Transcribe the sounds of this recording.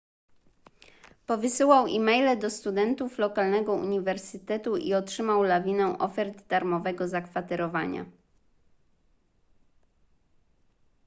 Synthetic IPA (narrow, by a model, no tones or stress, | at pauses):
pɔvɘsɘwawimɛjlɛd̪ɔst̪ud̪ɛnt̪uflɔkalnɛɡɔṵɲivɛɾsɘt̪ɛt̪uʔḭɔtʂɘmawlavʲinɛw̃ʔɔfɛɾd̪d̪aɾmɔvɛɡɔzakfat̪ɛɾɔvaɲa̰